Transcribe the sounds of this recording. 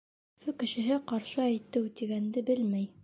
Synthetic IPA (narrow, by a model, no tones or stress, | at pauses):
fɵkɘ̆ʃɘ̆ɦɘqɑɾʃɤæjt̪ɘwt̪iɡænd̪ɘbɘlmæj